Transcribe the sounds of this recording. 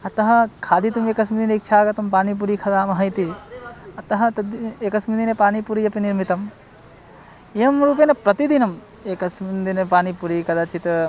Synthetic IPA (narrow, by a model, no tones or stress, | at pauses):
ɐt̪ɐɦɐ̆kʰaːd̪it̪umeːkɐsmid̪ineik̚t͡ʃʰaːkɐt̪ɐmpaːnip̬uɾikʰɐd̪aːmɐɦɐjt̪i | ɐt̪ɐɦɐ̆t̪ɐd̪eːkɐsmid̪inepaːnipuɾijɐpiniɾmit̪ɐm | ɐmɾuːp̬eːnɐpɾɐt̪id̪inɐm | eːkɐsmind̪inepaːnipuɾikɐd̪at͡ʃit̪